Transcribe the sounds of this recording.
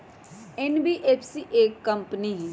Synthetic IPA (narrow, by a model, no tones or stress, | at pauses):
ɛnbiːʔeːpʰsiːʔeːkːəmpni